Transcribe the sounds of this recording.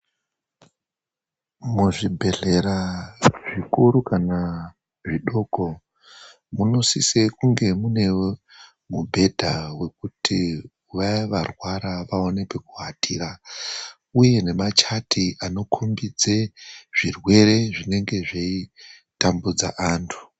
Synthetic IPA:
muʐibʱe̞ɮe̞ɾaʐ̥ikuɾukana | ʐiɗo̞ko̞ | muno̞sisekuŋɡe̞mune̞ | mubʱe̞dʱawe̞kutʰi | ʋaʋarwaɾaʋao̞ne̞pekuɦatʰiːra | uje̞ne̞mat͡ʃatʰiʔano̞kʰombid͡zeʐ̥irwe̞ɾe̞ʐine̞ŋɡe̞ʐei | tambud͡za̰ʔaːntʰu̥

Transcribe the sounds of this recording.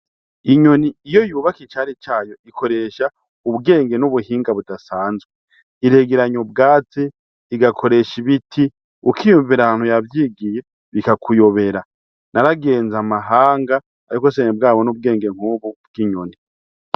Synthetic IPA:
iɲo̞niːjo̞juːβakit͡ʃaːɾit͡ʃaːjo̞ikʰo̞ɾe̞ʃa | uβɡe̞ːŋɡe̞nuβuhiːŋɡaβudasaːnzwe | iɾe̞ɡeɾaɲub̚ɡaːt͡se | iɡakʰo̞ɾe̞ʃiβitʰi | ukʰijuɱviɾahaːnhujavjiːɡije̞ | βikakʰujo̞βe̞ɾa | nʔaɾaɡe̞ːnzamaɦaːŋɡaː | ɾikoseɲeb̚ɡaːβo̞nub̚ɡe̞ːŋɡe̞ŋ̥huβub̚ɡ̥iɲo̞ni

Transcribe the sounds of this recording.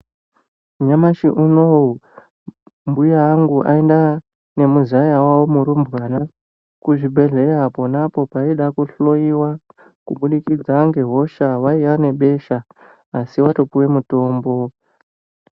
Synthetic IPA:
uɲamaʃiʔunou | mbujaːŋɡuʔa̰e̞nda | ne̞muzajawawomuɾumbʱɣana | kuʐibʱe̞ɮe̞japo̞napo̞paiɗakuɬo̞iwa | kuɓuɗikid͡zaŋɡe̞ɦo̞ʃaʋaiwane̞ɓe̞ʃaː | siwato̞puwe̞muto̞ːmbo̞

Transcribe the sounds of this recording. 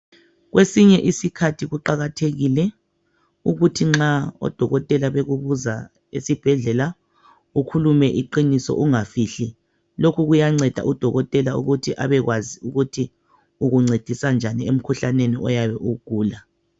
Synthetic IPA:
ɣwʔesiɲɛʔisikʰatʰiɣuǃaɣatʰeɣilɛ | uɣutʰiŋ͡ǁaɔ̰d̥ʱɔɣɔtʼɛlaβeɣuβuza | ḛsib̥ʱɛɮɛla | ukʰulumɛʔiǃinisɔ̰ʔuŋafiɬi | lokʰuɣujaŋ͡ǀɛd̥ʱa̰ʔud̥ʱɔɣɔtʼɛlaṵɣutʰiʔaβɛɣwaziuɣutʰi | uɣuŋ͡ǀed̥ʱisand͡ʒʱaniem̩kʰuɬaneniɔjaβɛʔuɡ̥ʱuːla

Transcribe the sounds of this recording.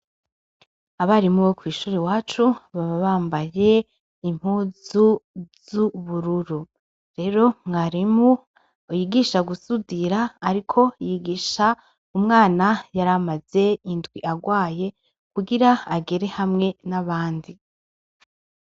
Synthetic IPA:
aβaɾimuβokwiːʃuːɾewaːt͡ʃuβaβaβaːmbaje̞ | im̥huːzuzuβuɾuɾu | ɾe̞ɾo̞ŋhaɾimu | ujiɡiʃaɡusudiɾaːɾikʰo̞jiɡiːʃa | umŋaːnajaɾamaze̞indɡwiʔaɡwaːje̞ | kuɡiɾaːɡe̞ɾe̞hamŋe̞naβaːndi

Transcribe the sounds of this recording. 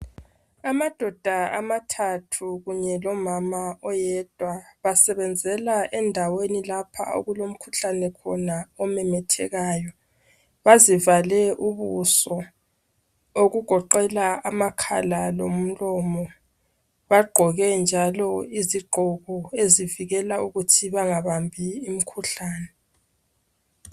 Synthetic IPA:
amad̥ʱɔd̥ʱaamatʰatʰuɣuɲɛlɔmamaɔjɛd̥ʱwaβasɛβɛnd͡zʱɛlaʔɛndʱawenilapʰa̰o̰ɣulom̩kʰuɬanɛkʰɔnaɔmɛmɛtʰɛ̰ɣaːjɔ | βazivalɛʔuβusɔ | oɣuɡ̥ʱɔǃɛlaamakʰa̰lalom̩lɔmɔ | βaɡ͡ǃʱɔɣɛnd͡ʒʱalɔiziɡ͡ǃʱɔɣɔeziviɣɛlauɣutʰiβaŋaβambʱiːm̩kʰuɬaːnɛ

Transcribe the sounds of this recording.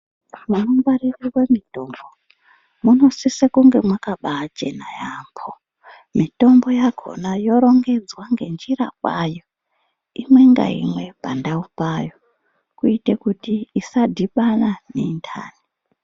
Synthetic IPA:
munuŋɡwaririwe̞mitombo | muno̞sisekuŋɡe̞mwakaɓad͡ʒe̞̰najaːmpʰo | mito̞mbo̞jaɡʱo̞̰najo̞ɾo̞ŋɡe̞d͡zwaŋɡe̞nd͡ʒiɾa̰k̚wajo | imwe̞ŋɡa̰ḭmwe̞b̥ʱandaupajo | kuitekutiisadʱiɓananḛintʰa̰ːne | i

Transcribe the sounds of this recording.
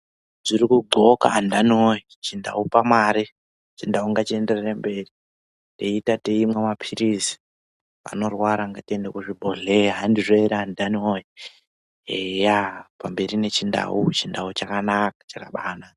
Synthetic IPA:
d͡zirikuɡo̞ka̰ːndaniojit͡ʃinda̰upamaːɾi | t͡ʃindauŋɡat͡ʃie̞nde̞rerembe̞ːri | teitateimwemapʰiɾizi̥ | a̰no̞rwaɾaŋɡatiendekuʐibʱo̞ɮeɦandiʐoeɾaːndanioji | ejapambe̞ɾine̞t͡ʃinda̰wut͡ʃindaut͡ʃakanakḁt͡ʃakaɓaːna

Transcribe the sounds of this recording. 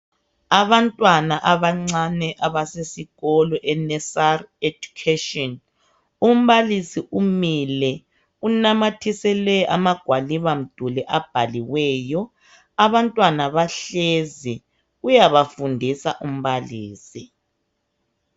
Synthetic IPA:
aβantʼwanaʔaβaŋ͡ǀanɛʔaβasesiɣɔlɔʔɛnɛsared͡ʒukʰetʼɔn | um̩βalisiʔumilɛ | unamatʰisɛlɛʔa̰maɡ̥ʱwaliβam̩d̥ʱulɛʔab̥ʱaliwɛːjɔ | aβantʼwanaβaɬezi | ujaβafundʱisaʔum̩βaliːsi

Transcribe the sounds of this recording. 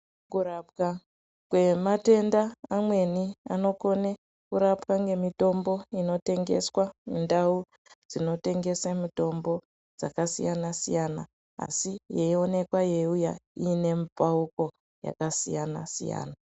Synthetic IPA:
kuɾapka | kwe̞mate̞ndaːmwe̞niano̞ko̞ne | kuɾapkaŋɡe̞mito̞mbo̞ino̞te̞ŋɡe̞̰swamundau | d͡zino̞te̞ŋɡe̞samito̞mbo̞ | d͡za̰kasḭjanasḭjana̰ | a̰sije̞io̞ne̞kwaje̞ujaiːne̞mupauko̞ | ja̰kasijana̰sḭja̰ːna

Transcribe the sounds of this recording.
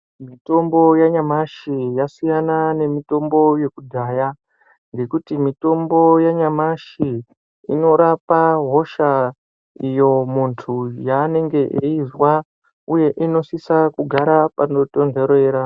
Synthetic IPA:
mito̞mbo̞jaɲamaʃijasijanane̞mito̞mbo̞je̞kudʱaːja | ŋɡe̞kutimito̞mbo̞jaɲamaʃi | ino̞ɾapaɦo̞ʃa | ijo̞muntʰujaːne̞ŋɡe̞ʔeizwa | uje̞ʔino̞sisakuɡʱaɾapanoto̞ndeɾe̞ːɾa

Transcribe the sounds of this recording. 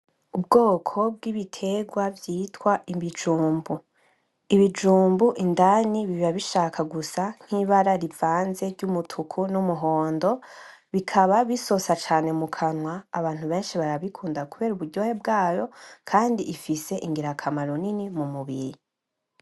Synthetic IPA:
ubɡoːkʰo̞b̚ɡiβitʰe̞ɡwavjiːtwaʔimbid͡ʒuːmbu | iβid͡ʒuːmbuʔindaniβiβaβiʃaːkʰaɡusaŋ̥hiβaɾaɾiv̥aːnze̞ɾɟumutʰukʰunumuɦo̞ːndo̞βikʰaβaβiso̞sat͡ʃaːnemukʰanwaːβaːn̥huβe̞ːnʃiβaɾaβikʰuːndakuβe̞ːɾuβuɾɟo̞ːhe̞b̚ɡaːjo̞kʰaːndiʔifise̞ʔiŋɡiɾakʰamaɾoninimumuβiɾi

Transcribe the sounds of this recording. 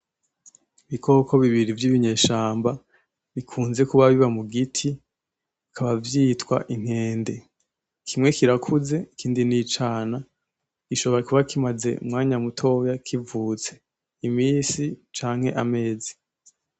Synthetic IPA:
iβikʰo̞kʰo̞βiβiɾivjiβiɲe̞ːʃaːmba | βikʰuːnze̞kuβaβiβamuɡitʰi | kʰaβavjiːtkwa̰ʔiŋ̥e̞ːnde̞ | kʰimŋe̞kiɾakʰuze̞kʰiːndinit͡ʃaːna | ɡ̥iʃo̞βoɾakuβakʰimaze̞̰ṵmŋaːɲamutʰo̞jakʰivuːt͡se̞̥ | imiːsit͡ʃaːŋ̥he̞̰ʔame̞ːzi̥

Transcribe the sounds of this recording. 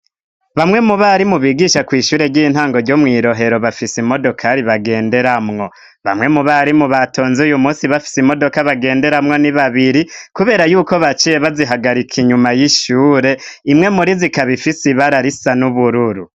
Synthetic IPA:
βamŋe̞muβaɾimuβiːɡiʃakwiːʃuːɾe̞ɾɟiːn̥haːŋɡo̞ɾɟomŋiːɾo̞ɦe̞ɾo̞βafisimo̞do̞kʰaɾiβaɡe̞ːnde̞ɾamŋo̞ | βamŋe̞muβaɾimuβato̞ːnzujumuːsiβafi̥simo̞do̞kaβaɡe̞ːnde̞ɾamŋo̞niβaβiɾikuβe̞ːɾajuːko̞βat͡ʃijeβaziɦaɡaɾikʰiɲumajiʃuːɾe̞imŋe̞muɾizikaβifisiβaɾaɾisanuβuɾuɾu

